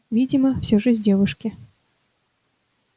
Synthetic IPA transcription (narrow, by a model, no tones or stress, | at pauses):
vʲid͡zʲimɐwsʲɔʐɨzʲɛvɨʂkʲi